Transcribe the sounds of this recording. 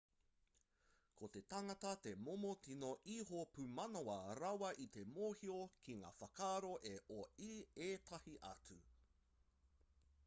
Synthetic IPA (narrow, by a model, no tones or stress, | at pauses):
kʰot̪e̞t̪ɐŋɐt̪ɐt̪e̞momotinoʔiɦopʉmɐnoɐɾɐwɐʔit̪e̞moːhiokʰiŋa̰ːfɐkaːɾo̞ʔeʔoieːt̪ʰɐhiʔɐ̰tʉ